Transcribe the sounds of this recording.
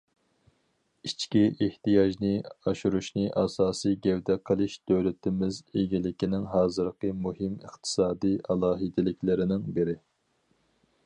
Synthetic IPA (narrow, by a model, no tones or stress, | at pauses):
it͡ʃkʲiʔeht̪ijɑʒnɨɑʃuɾuʃnɨʔɑsɑːsɨjɡʲɛwd̪ɛqʰəlˠɨʃd̪øwlɪt̪ʰɪmɪzeɡʲilɪkʲinɪŋɦɑːzɨɾqəmuɦɪməχt̪ʰɨ̥sɑːd̪iʔɑlˠɑːɦɨd̪ɪlɪkʲlɪɾɪnɪŋbɪɾɪ